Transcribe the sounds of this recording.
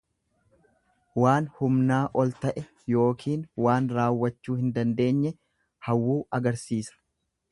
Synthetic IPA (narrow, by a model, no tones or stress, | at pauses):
waːnhʊmnaːʔɔlt̪ɐʔɛ | jo̞ːkʰiːnwaːnɾaːwːɐt͡ʃːuːhɪnd̪ɐnd̪e̞ːɲːɛ | hɐwːuːɐɡɐɾsiːsɐ̥